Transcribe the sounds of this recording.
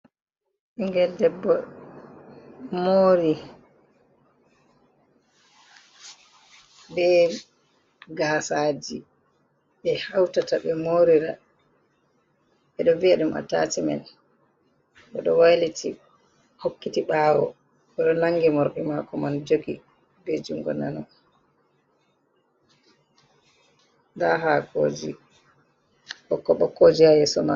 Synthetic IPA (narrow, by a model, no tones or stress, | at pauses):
ʔiŋɡɛldɛbːɔ | moɾi | bɛ | ɡaːsaːd͡ʒi | ɓɛhawtataɓɛmoɾiɾa̰ | ɛɗɔviaɗumʔa̰ta̰tima̰n | ɓɔɗɔwajlitʰi | hokːitiɓawɔ̰ | ɓɛɗɔnaŋɡimɔɾɗimakɔmand͡ʒoɡi | bed͡ʒuŋɡɔ̰nanɔ | ndaɦako̰ːd͡ʒḭ | ɓɔkːɔɓɔkːod͡ʒiajɛsɔna